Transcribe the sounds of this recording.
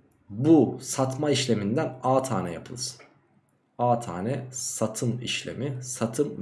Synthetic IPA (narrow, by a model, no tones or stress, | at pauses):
busat̪maiʃlʲe̞mind̪ænaːt̪ʰaːnɛjapʰɯlˠɯz̥ | aːt̪ʰa̰ːnɛsat̪ʰɯmḭʃlʲḛmisat̪ʰɯm